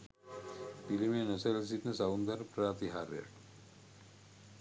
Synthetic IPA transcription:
pilimeːnəseles̬it̪nəsaund̪aɾpɾaːt̪iɦaːɾja̰ʈ

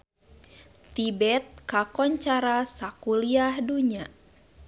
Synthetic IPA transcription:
t̪ibɛt̪̚kakɔɲt͡ʃaɾasakuliahduɲa

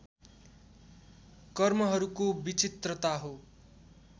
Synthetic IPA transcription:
kʌrmʌɦʌɾukobit͡sit̪rʌt̪aɦo

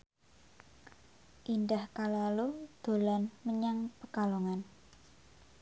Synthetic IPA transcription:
ʔindahkalalud̪̥o̤lanməɲaŋpəɡaloŋan

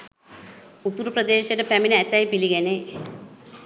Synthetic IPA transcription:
ut̪uɾupɾəd̪eːʃeʈəpæminəæt̪æjpiliɡæne

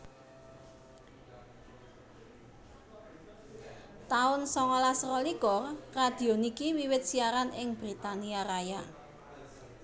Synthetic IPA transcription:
t̪aʊnsɔŋɔlasrɔliɡɔrrad̪̥i̤onikiwiwɪt̪̚siaɾanɪŋb̥ɾit̪aniaɾaja

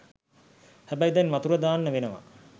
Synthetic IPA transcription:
hæbæjid̪ɛnʋat̪uɾəd̪aːnːəʋenəʋa̰

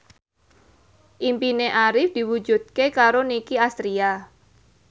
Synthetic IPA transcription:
ʔimpineʔaɾɪfd̪̥i̤wud͡ʒud̪̚kekaɾonikiast̪ɾia

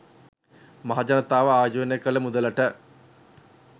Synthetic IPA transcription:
mɐɦad͡ʑɐnɐt̪ːaːʋɐaːd͡ʑuːnjɐkːɐɭɐmud̪ɐlɐʈːɐ

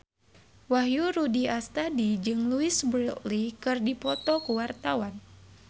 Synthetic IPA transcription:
wahjuɾudiast̪adid͡ʒɨŋluɪsbɾʔlikɨrdipɔt̪ɔkuwart̪awan

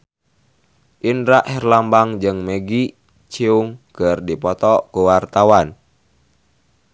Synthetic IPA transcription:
ʔinɾaʔhɛrlambaŋd͡ʒɨŋmeɡi | t͡ʃiuŋkərdipɔt̪ɔkuwart̪awan

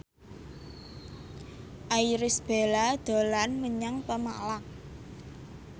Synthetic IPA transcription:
ʔajɾɪsb̥e̤lad̪̥o̤lanməɲaŋpəma̰laŋ

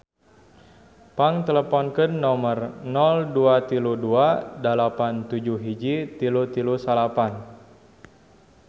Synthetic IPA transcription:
paŋt̪ɛləpɔnkənːɔmərnɔlduat̪iluduadalapant̪ud͡ʒuɦid͡ʒit̪ilut̪ilusalapan

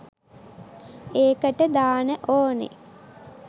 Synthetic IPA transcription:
eːkəʈəd̪aːnəʔoːnḛ

